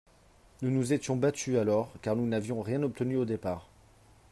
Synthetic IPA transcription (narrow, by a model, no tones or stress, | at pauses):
nunuzet̪jɔ̃bat̪yalɔʁkaʁnunavjɔ̃ʁjɛ̃nɔp̚t̪ənyod̪epaːʁ